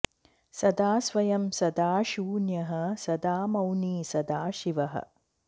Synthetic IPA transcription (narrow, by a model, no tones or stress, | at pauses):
sɐd̪aːsʋɐjɐmsɐd̪aːʃuːnjɐɦɐsɐd̪aːmɐwniːsɐd̪aːʃiʋɐɦɐ̰